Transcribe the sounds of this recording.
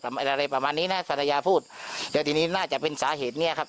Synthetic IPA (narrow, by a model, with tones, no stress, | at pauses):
a˧ɾa˧jpɾa˧maː˧nːiː˦˥na˦˥pʰa˧na˧jaː˧pʰuː˥˩t̪̚lɛː˦˥t̪iː˧niː˦˥naː˥˩t͡ɕa˨˩ʔpe˧nsaː˨˦ɦeː˨˩t̪̚ni˥˩ɐkʰa˦˥p̚